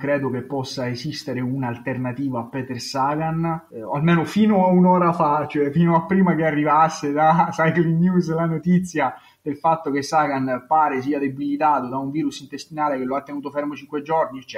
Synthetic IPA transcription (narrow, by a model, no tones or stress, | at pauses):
kɾɛːd̪okepːɔsːaesist̪eɾeunaːlt̪ernat̪iːvaːpːɛːt̪ersaːɡana̰lmeːnofiːnoaunɔːɾafat͡ʃoɛfiːnoapːɾiːmakearːivasːed̪asajklinjuslanot̪it̪sːja | d̪̥elfat̪ːok̟esaɡanpaːɾes̬iːad̪ebilit̪aːt̪od̪auɱviːɾusint̪est̪inaːlek̟elːoat̪ːenuːt̪ofɛrmot͡ʃiŋkwed͡ʒɔrnit͡ʃ